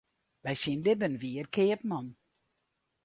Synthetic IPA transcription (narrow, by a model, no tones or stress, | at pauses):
bɛjsinlɪbənʋiərkʰeːəp̚mɔn